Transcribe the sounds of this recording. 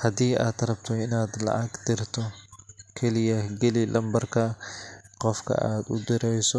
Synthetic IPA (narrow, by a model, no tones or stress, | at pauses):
hɐd̪iːʔaːd̪ɐɾɐbt̪ʰɔɪnaːd̪lɐ̰ʔɐɡd̪ɪrt̪ʰɔkʰɛlɪjɐɡɛlɪlʔɐmbɐrkʰɐ | qɔfkʰɐ̰ʔaːd̪ʊd̪ɪɾɛjsɔ